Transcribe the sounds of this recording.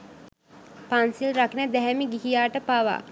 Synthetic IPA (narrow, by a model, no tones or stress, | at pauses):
pansilɾaknəd̪ɛɦɛmiɡiɦijaːʈəpaʋa̰